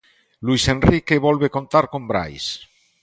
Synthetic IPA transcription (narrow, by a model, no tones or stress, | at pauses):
luisenrikeβɔlβekont̪aɾkombɾa̰js